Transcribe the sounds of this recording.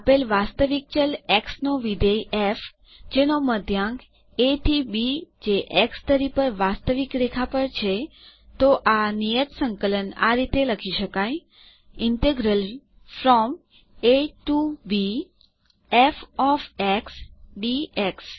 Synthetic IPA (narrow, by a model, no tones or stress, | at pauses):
əpelʋast̪əʋik̚t͡ʃəlɛksnoʋid̪əjef | d͡ʒenoməd̪ʱjãŋɡ | eʈʰibid͡ʒeʔɛkst̪əɾipəɾʋast̪əʋikɾekʰapəɾt͡ʃʰe | t̪oʔanijət̪sə̃ŋkələna̰ɾit̪eləkʰiʃəkaj | ɪɳʈeɡɾəl | fɾɔm | eʈuʋi | efɔfeksɖieks